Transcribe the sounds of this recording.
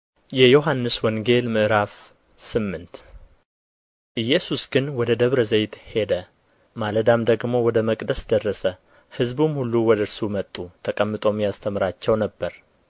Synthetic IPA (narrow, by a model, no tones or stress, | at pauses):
jɛjoɦanːɨswɔŋɡe̞lmɨʔɨɾaf | sɨmːɨnt̪ | ʔɨjːɛsusɡɨnwɔd̪əd̪əβɾəzejt̪he̞d̪ə | maləd̪amd̪əɡmo̞wɔd̪əməkʼd̪əsd̪ərːəsə | hɨzbumhulːuwɔd̪əɨɾsumət̪ʼːut̪ʰəkʼəmːɨt̪ʼo̞mjast̪ʰəmɨɾat͡ʃːɛwnəbːəɾ